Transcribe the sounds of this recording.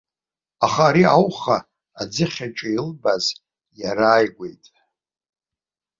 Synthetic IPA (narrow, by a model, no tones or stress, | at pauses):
aχaːɾiawχaː | d͡zɨχʲat͡ʃʼailbaz | jaɾaːjɡʷe̞̰jtʼ